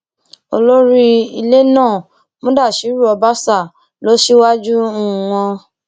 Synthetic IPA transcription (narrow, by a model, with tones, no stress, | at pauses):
o̰˧lo˦ɾi˦i˧le˦nãː˦˨ | mõ˦da˦˨ʃi˨˦ɾu˦˨ɔ˧ba˦sa˦˨ | lo˨˦ʃi˦wa˦d͡ʒũ˦˨w̃ɔ̃˧